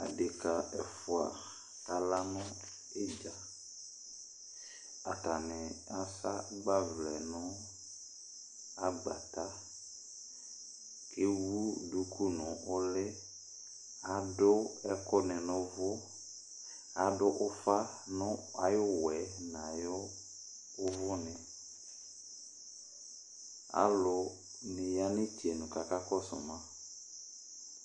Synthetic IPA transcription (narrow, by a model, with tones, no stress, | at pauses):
a̰˨de˨ka˨ɛ˨fʊ˨a̰˨ | ta˨la˦nʊ̃˦ | e˦d͡ʒa˨ | a˨ta˨nɛ̃˨a˨˦sa̰˦ɡ͡ba˦vlɛ˨nʊ̃˦ | a˦ɡ͡ba̰˨t̪a˦ | ke˦wu˦du˦kʰu˦nʊ̃˨ʊ˦lɪ˦ | a˨dʊ˦ɛ˦kɔ˦nɛ˨nʊ̃˦vʊ˦ | a˨dʊ˦ʔʊ˦fa˦nʊ̃˦a˨jʊ˦wɛ˨nã˨jʊ˦ | ʊ˦vʊ˦nɪ̃˨ | a̰˨lʊ˨ | nɪ̃˨ja˦nɪ̃˦ti˨e˨nʊ̃˨ka˨ka˦kɔ˦sʊ̰˨mã˦